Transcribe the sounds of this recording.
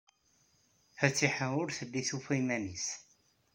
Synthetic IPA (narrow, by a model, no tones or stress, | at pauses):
fæt͡sːiħəʊɾθəlːiθufimænis